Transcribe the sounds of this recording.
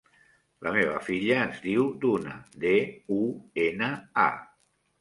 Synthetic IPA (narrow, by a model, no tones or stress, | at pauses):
lʔə̰meβ̞ə̰fiʎəːzðiwd̪unə̰d̪euenəa̰